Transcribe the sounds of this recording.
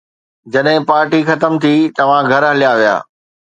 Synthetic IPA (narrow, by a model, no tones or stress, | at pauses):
d͡ʑɐɗɦɪ̃paːɾʈixɐt̪əmt̪ʰit̪ɐʋ̤ãɡʱɐɾɦɐlijaʋija̰ː